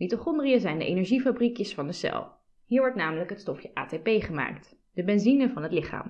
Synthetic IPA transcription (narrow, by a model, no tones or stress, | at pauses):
nitoχɔndriəzɛjndə̰ʔḛjnɛɹʒifabrikjəsfɑndəsɛ̰lˠ | ɦiːɹʋɔɹtnaːmələkɦətstɔfjəʔa̰ːtepejχəma̰ːkt | d̥əbɛnzinəvɑnɦətlɪχa̰ːm